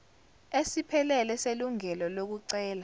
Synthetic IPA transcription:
esipʰɛlɛlɛseluŋɛlɔlok̬uǀɛːla

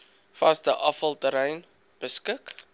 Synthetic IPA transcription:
fɐsdəʔɐfəlˠtəɾɛjn | b̥əskək

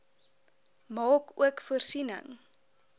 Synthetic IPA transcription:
mɑːkṵəkfuərsinə̰ŋ

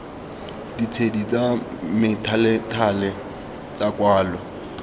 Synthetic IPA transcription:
dit͡sʰedit͡sʼamɪtʰalɛtʰalɛ | t͡sʼakʼwaːlɔ

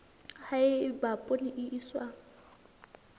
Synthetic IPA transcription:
haɪbapʼʊnɪʔɪʔiswaː

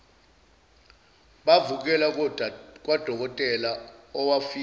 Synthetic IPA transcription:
ɓavuk̬ɛlakk̬wad̥ʱɔk̬ɔtʼɛlaɔwafi

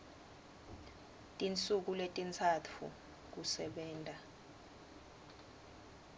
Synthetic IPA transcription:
tʼint͡sʼuk̬uletʼint͡sʰat͡fʰṵ | k̬usɛɓɛːntʼa

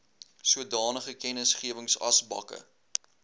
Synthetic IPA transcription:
suədɑːnəχəkɛnəsχiəvəŋsɐsbɐ̰kə̰

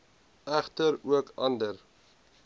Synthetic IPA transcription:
æχtəɾuəkɑndəɾ

